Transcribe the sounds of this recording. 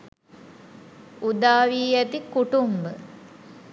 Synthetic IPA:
ud̪aːʋiːæt̪ikuʈumbə

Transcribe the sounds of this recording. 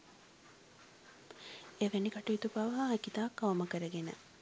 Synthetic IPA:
eʋenikaʈuit̪upaʋɐɦaɛkit̪aːkːaʋɐməkəɾəɡenə̰

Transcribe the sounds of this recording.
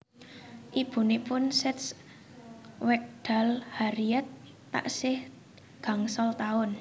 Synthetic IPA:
ʔib̥ṳnipʊnsɛt̪s | wɛk̚ɖ̪̥a̤lhaɾiɛt̪ː | a̰ʔsɪh | ɡ̥a̤ŋsɔlt̪aʊn

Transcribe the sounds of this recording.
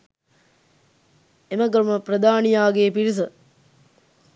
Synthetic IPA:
eməɡɐɾuməprəd̪aːnijaːɡeːpiɾis̬ə

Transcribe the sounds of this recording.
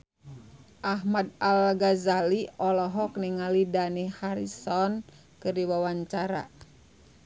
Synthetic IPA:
ʔaɦmad̚alɡazaliʔɔlɔɦɔk̚niŋalidanihaɾḭsɔn | kɨrdiwawaɲt͡ʃaɾa̰

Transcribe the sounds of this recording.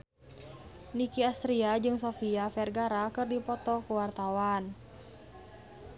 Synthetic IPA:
nikiast̪ɾiad͡ʒɨŋsɔfiafɛrɡaɾakɨrdipɔt̪ɔkuwart̪awan

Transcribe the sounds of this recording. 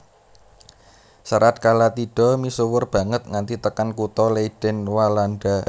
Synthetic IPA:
saɾat̪̚kalat̪iɖ̥ɔ̤misuwʊrb̥a̤ŋət̪̚ŋant̪it̪əkankut̪ɔleiɖ̥ɛ̤nwalanɖa

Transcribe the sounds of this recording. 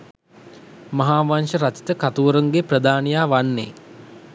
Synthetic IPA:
mɐɦaːʋanʂəɾat͡ʃi̥t̪əkat̪uʋɾuŋɡeprəd̪aːnijaːʋanːḛ

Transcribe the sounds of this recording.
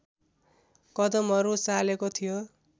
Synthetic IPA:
kʌd̪ʌmʌɾusalekot̪ʰijo

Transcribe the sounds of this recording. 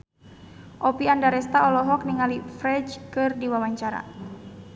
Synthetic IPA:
ʔɔpiandaɾɛst̪aɔlɔɦɔk̚niŋalifɾɛd͡ʒkɨrdiwawaɲt͡ʃaɾa̰

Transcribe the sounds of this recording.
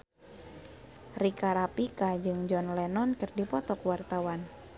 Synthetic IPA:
rikaɾapikad͡ʒɨŋd͡ʒɔnlɛnɔnkɨrdipɔt̪ɔkwart̪awan

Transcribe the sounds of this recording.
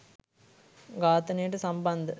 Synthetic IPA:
ɡaːt̪ɐnejɐʈɨsɐmbɐnd̪ɐ

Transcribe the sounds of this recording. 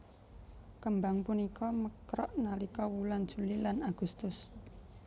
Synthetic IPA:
kəmbaŋpunikɔməkɾɔʔnalikɔwuland̥ʒ̥ulilanaɡ̥ust̪ʊs

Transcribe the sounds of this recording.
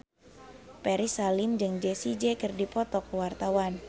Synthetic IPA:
pɛɾisalɪmd͡ʒɨŋd͡ʒesid͡ʒekɨrdipɔt̪ɔkuwart̪awan

